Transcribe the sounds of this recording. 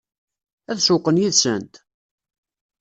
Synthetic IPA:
æðʃʊqːənjiðsənt̪

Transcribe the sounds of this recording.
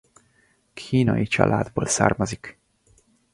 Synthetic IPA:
kʰiːnɒjit͡ʃɒ̰lʔaːd̪boːlsa̰ːrmɒzik

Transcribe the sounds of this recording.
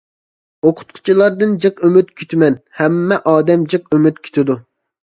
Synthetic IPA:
oqʰʊ̥t̪qʰʊ̥t͡ʃʰilˠɑɾd̪ɨnd͡ʒɨqømyt̪̚kʲʰy̥t̪ʰɪmɛnhɛmːɛʔɑːd̪ɛmd͡ʒɨqømyt̪̚kʲʰy̥t̪ʰɪd̪u

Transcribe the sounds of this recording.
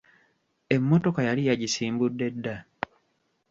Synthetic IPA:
e̞mːoto̞kajalijaɟisiːmbudːe̞dːa

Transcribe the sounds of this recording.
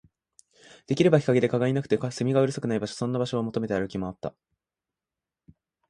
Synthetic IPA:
d̪̥e̞kʲiɾe̞baçʲi̥kaɡe̞d̪e̞kaɡainakɯ̟̥t̪ekasɨmʲiɡaɯɾɯ̟sokɯ̟naibaɕo̞sõ̞nːabaɕo̞ːmo̞t̪o̞me̞t̪e̞aɾɯ̟kʲimo̞at̪ːa̰

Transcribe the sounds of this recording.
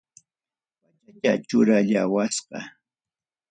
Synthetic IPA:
pat͡ʃat͡ʃat͡ʃʊɾaʎawasqɑ̰

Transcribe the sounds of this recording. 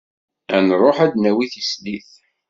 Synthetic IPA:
ænɾˤoħæd̪næwiθisliθ

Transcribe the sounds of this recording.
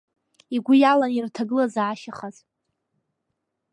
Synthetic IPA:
iɡʷʊjalanirtʰaɡɨlazaːʃaχaz̥

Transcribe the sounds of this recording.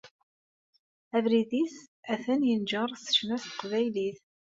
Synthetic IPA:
ævɾiðiθæθænjənd͡ʒəɾˤsə̥ʃmæθə̥qvæjliθ

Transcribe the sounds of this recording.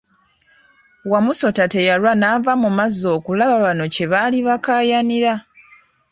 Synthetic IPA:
wamuso̞tate̞jalwanaːvamumazo̞ːkulaβaβano̞ce̞βaliβakaːjaniɾa

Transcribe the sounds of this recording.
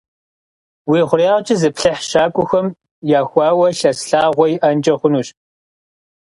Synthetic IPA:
wiːχʷʊrjaːwt͡ʃʼɪzɨpɬɨħʃaːkʷʼʊxɐm | jaːxʷɑːwɐɬɐsɬaːʁʷɔjɪʔɐnd͡ʒʼɐχʷʊnuːɕʼ

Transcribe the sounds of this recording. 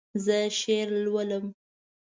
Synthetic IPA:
zəʃeɾlwələm

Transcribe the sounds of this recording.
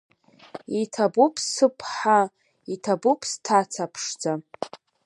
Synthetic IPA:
itʰabupʰʼsɨpʰħa | itʰabupʰʼstʰat͡sʰapʰʂd͡za

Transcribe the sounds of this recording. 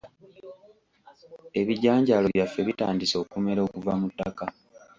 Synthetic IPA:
e̞βiɟaːɲɟaːloβjafːe̞βitaːndiso̞ːkume̞ɾo̞kuvamutːaka

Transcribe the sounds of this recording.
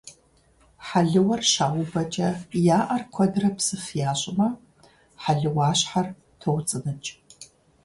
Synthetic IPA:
ħaɮɨwɐrʃaːwʊbɐt͡ʃʼɐjaːʔɐrkʷʰɔdrɐpsɨfjaːɕʼmɐ | ħaɮɨwaːɕħar | tʰowt͡sʼɨnɨt͡ʃʼ

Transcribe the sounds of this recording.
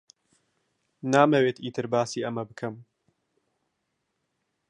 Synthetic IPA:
naːmɐweːt̪iːt̪ʰɨɾbaːsiːʔɐmɐbɨkʰɐm

